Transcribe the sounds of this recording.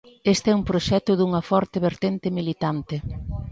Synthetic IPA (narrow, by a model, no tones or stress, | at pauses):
est̪ɛumpɾoʃɛt̪ʊðuŋɐfɔɾt̪ɪβeɾt̪ent̪ɪmilit̪ant̪ɪ